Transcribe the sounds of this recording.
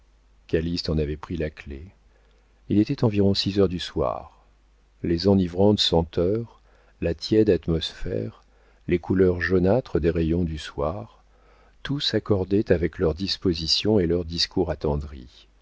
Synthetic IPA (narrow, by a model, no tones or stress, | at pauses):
kʲalist̪ɑ̃navɛpχilakle | ilet̪ɛt̪ɑ̃viʁɔ̃sizœʁd̪yswa̰ʁ | lezɑ̃nivʁɑ̃t̪sɑ̃t̪œʁ | lat̪jɛd̪at̪mɔsfɛ̰ʁ | lekulœʁʒɔnat̪χəd̪eʁejɔ̃d̪yswaʁ | t̪usakɔʁd̪ɛt̪avɛklœʁd̪ispozisjɔ̃elœʁd̪iskuʁat̪ɑ̃d̪ʁḭ